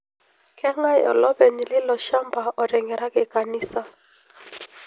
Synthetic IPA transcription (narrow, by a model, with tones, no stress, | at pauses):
kʰɛ˦ŋa˦jɔ̰˨lɔ˦bɛ˨ni˨lɪ˦lɔ˨ʃa˦mba˨ʔɔ˨ɾɛ˨ŋɡɛ˨ɾa˦kɪ˨ka˨ni˦sa˦